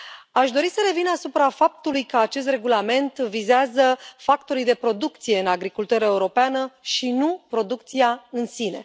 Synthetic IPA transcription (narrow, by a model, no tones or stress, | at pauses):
aʃd̪o̞ɾisəɾe̞vinasupɾafap̚t̪ulujkəat͡ʃe̞st̪re̞ɡulame̞nt̪vizeazəfakt̪o̞ɾijd̪e̞pɾo̞d̪ukt̪sije̞ɨnaɡɾikult̪uɾəeuɾo̞peanəʃinupɾo̞d̪uk̚t̪siaɨnsine̞̰